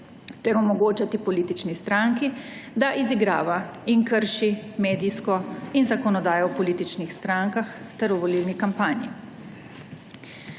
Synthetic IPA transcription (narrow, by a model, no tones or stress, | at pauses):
t̪ɛɾɔmɔɡoːt͡ʃat̪ipɔliːt̪it͡ʃnist̪ɾaŋkid̪aʔiziɡɾa̰ːʋaiŋkəɾʃimeːd̪iskɔinzakɔnɔd̪aːjɔwpɔliːt̪it͡ʃnixst̪ɾaŋkaxt̪ɛɾɔʋɔlilnikampaːnjḭ